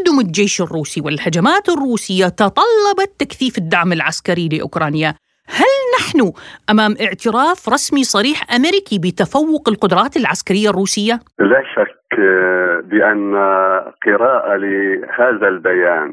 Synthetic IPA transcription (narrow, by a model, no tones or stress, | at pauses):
d̪ʊmɪld͡ʒeːʃɪrːuːsiwɪlhad͡ʒamaːt̪ɪrːuːsɪjːat̪ɑt̪ˤɑlːɑbɑt̪ːakθiːfɪd̪ːaʕmɪlʕaskaɾilɪʔʊ̰kɾˤɑːnja | halnaħnʊʔamaːmʔɪʕt̪ɪɾaːfɾˤɑsmisˤɑɾiːħʔameɾɪkibɪt̪afawːʊqɪlqʊd̪ɾˤɑːt̪ɪlʕaskaɾɪjːarˤːuːsɪjːalaːʃak | bɪʔanːaqɨɾaːʔalɪhaːðalbajaːn